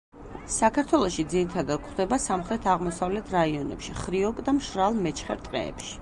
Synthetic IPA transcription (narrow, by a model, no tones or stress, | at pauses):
sakʰaɾt̪ʰwɛlˠɔʃid̪ziɾit̪ʰad̪ad̪̚kʰχd̪ɛbasamχɾɛt̪ʰaʁmɔsavlɛt̪ʰɾaiɔnɛ̰pʃiχɾiɔkʼd̪amʃɾalˠmɛt͡ʃʰχɛɾt̪ʼqʼɛ̰ɛ̰pʃi̥